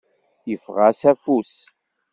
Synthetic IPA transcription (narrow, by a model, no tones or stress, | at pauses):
jəfʁasæfus